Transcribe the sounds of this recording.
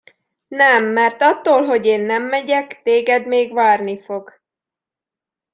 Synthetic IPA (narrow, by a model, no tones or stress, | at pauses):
nɛmːɛrt̪ɒt̪ːoːlɦo̞ɟeːnːɛmːɛɟɛkt̪eːɡɛd̪meːɡʋaːrnifo̞ɡ